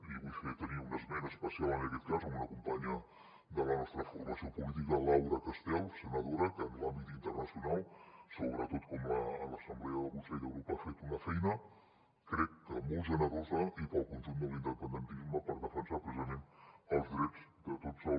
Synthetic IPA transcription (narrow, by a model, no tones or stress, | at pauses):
iβujfet̪əniunəzmɛnəspəsialˠənəkɛt̪̚kazəmunəkumpaɲə | d̪ələnɔst̪ɾəfuɾɾɐsiopulit̪̬ikɐlawɾəkəst̪ɛlˠsənəðoɾəkɛnlambit̪int̪ərnəsjunalˠsoβɾət̪ot̪kɔmaələsəmblɛəðəkunsɛjðəwɾopafet̪unəfɛjnə | kɾɛkːəmolˠzanəəzaipəlˠkunt̪ind̪əlind̪əpənd̪ənt̪izməpəɾðəfənsapɾəzəmenəlˠzðɾɛzd̪ət̪ozə